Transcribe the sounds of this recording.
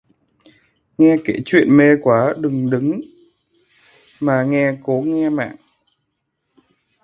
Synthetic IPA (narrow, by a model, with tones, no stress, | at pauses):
ŋɛ˧ke˧˩t͡ɕwḭ˧˨ənme˧kwaː˨˦ɗɨ˨˩ŋɗɨ˨˦ŋ | maː˨˩ŋɛ˧ko˨˦ŋɛ˧ma̰ː˧˨ŋ